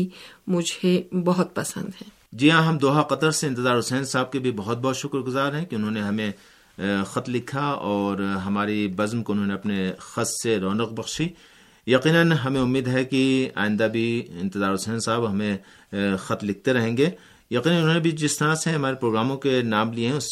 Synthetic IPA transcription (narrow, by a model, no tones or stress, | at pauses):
imʊd͡ʒʱebɐɦʊt̪̚pɐsə̰̃nd̪ɦɛ̃ː | d͡ʒiãɦɐmd̪oːɦaqɐd̪əɾseɪnt̪ɪzaːɾɦʊsɛːnsaːb̚kebʱibɐɦɔt̪̚bɔɦːt̪ʃʊkɾɡʊzaːɾɦɛ̃kiʊnɦõːneɦɐmẽ | xɐt̪lɪkʰaɔːɾɦɐmaːɾibɐzmkoʊnɦõːneɐpnexɐsseɾɔːnɐqbɐxʃi | jɐqiːnənɦɐmẽʊmːiːd̪ɦɛkia̰ːɪ̃nd̪abʱiɪ̃nt̪ɪzaːɾɦʊsɛːnsaːbɦɐmẽ | xɐt̪lɪk̚ʰt̪eɾɐɦẽːŋɡe | jɐqiːnənʊnɦõːnebʱid͡ʒɪst̪ɐɾãseɦɐmaːɾepɾoːɡɾaːmõkenaːmlieɦɛ̃ʊs